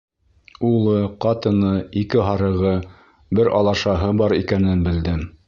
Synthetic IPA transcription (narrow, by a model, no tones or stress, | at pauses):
ulˠɤqɑt̪ɤ̆nɤikɘɦɑɾɤ̆ʁɤ | bɘɾʔɑ̰lˠɑʃɑɦɤbɑɾikænɘnbɘ̆ld̪ɘm